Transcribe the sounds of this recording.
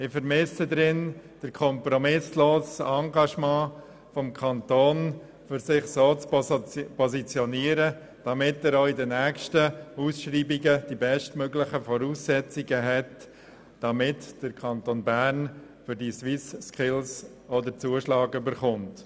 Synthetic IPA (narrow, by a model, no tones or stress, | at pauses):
ɪfəɾmɪsədɾɪnd̥əɾkʰɔmpɾɔmɪsloːsɑŋɡɑʃmɑ̃ː | fɔmkʰɑntoːn | fʏɾsɪχsoːt͡spɔzit͡sjɔniəɾə | d̥ɑmɪtɛːɾoɪdənæːkʃtəuːsʃriːbiɡəd̥ibɛʃtmøɡlɪχəfɔɾuːsːɛt͡siɡəɦɛt | d̥ɑmɪtd̥əɾkʰɑntoːnbæn | fʏɾdiʃwɪsskɪls | ɔdəɾt͡suəʃlɑːɡybəɾχʊnt